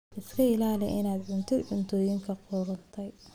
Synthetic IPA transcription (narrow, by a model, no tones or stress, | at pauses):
ʔɪskʰɐɪlaːlɪ̰ʔɪnaːd̪ʕʊnt̪ʰɪd̪ʕʊnt̪ʰɔːjɪŋkʰɐqɔːɾɐnt̪ʰɛj